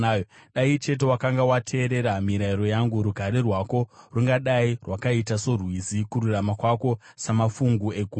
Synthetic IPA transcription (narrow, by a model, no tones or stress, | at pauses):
joɗait͡ʃe̞te̞wakaŋɡawatʰe̞ːɾe̞ɾamiɾaiɾo̞jaŋɡuɾuɡʱaɾerwako̞ruŋɡaɗairwakaitasorwizikuɾuramakwako̞samafuŋɡue̞ɡʱu